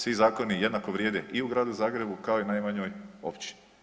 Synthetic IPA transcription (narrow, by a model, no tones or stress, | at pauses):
sʋizaːko̞nijed̪nakoʋɾjeːd̪eʔiuɡɾaːd̪uzaːɡɾe̞bukaoinajmaɲoːjo̰pt͡ɕi̥